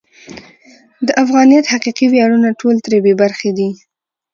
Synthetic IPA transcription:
d̪əʔafɣɑnijat̪haqiqiwjɑɽunaʈʰolt̪ɾebebaɾxed̪i

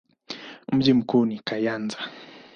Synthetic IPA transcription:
m̩ʄim̩kuːnikajanza

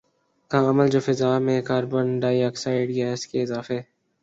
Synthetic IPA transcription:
kaɐməld͡ʒoːfɪzaːmẽkaːɾbənɖaːjaːksaːɪɖɡɛːskeɪzaːfe

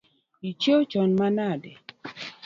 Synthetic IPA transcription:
it͡ʃot͡ʃɔnmanadɛ

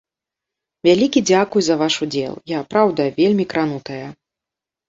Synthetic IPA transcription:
vʲalʲikʲid͡zʲakujuzɐvaʂud͡zʲɛ̰lˠjapɾawd̪ɐvʲelʲmʲikɾan̪ut̪ɐjɐ

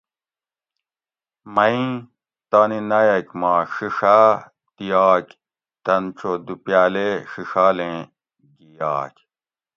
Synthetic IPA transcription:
mɐĩ | t̪aːninɐjɐkmãːʂiʂa | t̪ijaːk | t̪ɐnt͡sod̪upjaːleʂiʂaːlẽ | ɡijaːk

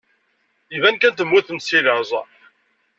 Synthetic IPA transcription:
ivænkænt̪əmwuθəmsiðəɾzˤɑ̰

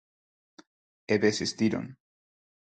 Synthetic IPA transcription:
eβesest̪iɾo̰n

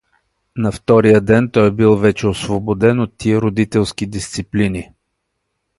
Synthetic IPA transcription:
nɐft̪ɔɾijəd̪ɛnt̪ɔjbilˠvɛt͡ʃɛosvobod̪ɛnot̪ːiɛɾod̪it̪ɛlˠskid̪ist̪siplini

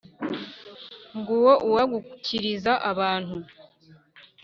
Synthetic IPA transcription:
ŋɡuwo̞ʔuwaɡucʰiɾizaʔaβaːn̥hu

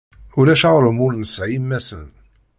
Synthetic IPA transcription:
ulæʃɑʁɾəmʊɾnəsʕimːæsən

